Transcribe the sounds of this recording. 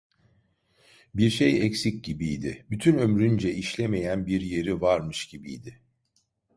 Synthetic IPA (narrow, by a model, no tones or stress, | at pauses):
biɾʃejɛcsic̚ɟibijd̪ɪbyt̪ʰynø̞mɾynd͡ʒɛʔiʃlʲemejænbiɾje̞ɾivaɾmɯʃɟibḭjd̪ɪ